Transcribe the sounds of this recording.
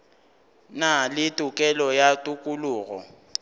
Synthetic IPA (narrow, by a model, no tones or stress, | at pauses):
nalɪtʼukʼɛlɔjatʼukʼuluːɣɔ̰